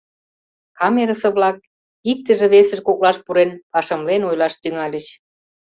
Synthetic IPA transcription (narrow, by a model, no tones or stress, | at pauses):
kɑmeɾəsɤ̆βlɑk̚ | ik̚t̪ə̆ʒĕβesə̆ʃkoklɑʃpuɾenpɑʃə̆mlenojlɑʃt̪yŋɑlʲə̆t͡ɕ